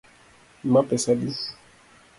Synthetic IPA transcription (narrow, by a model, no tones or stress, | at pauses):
mapɛsadis